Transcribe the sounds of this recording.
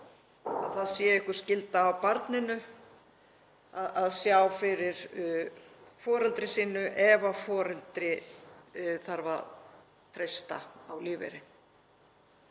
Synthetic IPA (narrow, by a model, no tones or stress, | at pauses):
aðθaðsjɛɪhkʏ̥scɪlt̪aːwpaɾt̪nɪnʏ | aðaðsjawfɪɾɪɾ | fɔːɾɛlt̪ɾɪsiːnʏʔɛvafɔːɾɛlt̪ɾɪ | θaɾva̰ | t̪ʰɾejst̪a̰awliːvɛ̰ɾɪ